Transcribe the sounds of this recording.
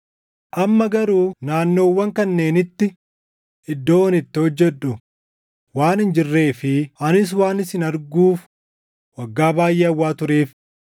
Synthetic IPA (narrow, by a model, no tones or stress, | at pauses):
ʔɐmːɐɡɐɾuːnaːnːo̞ːwːɐŋkɐnːe̞ːnɪt̪ːɪ | ɪd̪ːoːwɐnɪt̪ːɪhɔd͡ʒːɛᶑʊ | waːnɪnd͡ʒɪrːe̞ːfɪʔɐnɪs̬waːnɪsɪnɐɾɡuːf | wɐɡːaːbaːjʔeːɐwːaːt̪ʊɾeːf